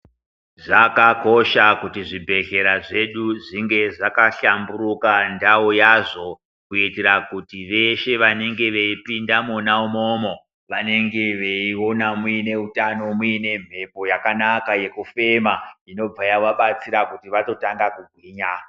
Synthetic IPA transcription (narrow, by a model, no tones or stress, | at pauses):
ʐakako̞ʃakutiʐibʱe̞ɬe̞ɾaʐe̞ɗuʐiŋɡe̞ʐakaɬambuɾukandaojaʐo̞ | kuiteɾakutiʋe̞ʃe̞ʋane̞ŋɡe̞ʋe̞ipindamunaumo̞ːmo̞ | ʋane̞ŋɡe̞ʋe̞io̞namuine̞utano̞muine̞m̤ʱe̞po̞jakanakaje̞kufe̞maino̞b͡vajaʋaɓat͡siɾakutiʋato̞taŋɡakuɡ̚ʱwiːɲa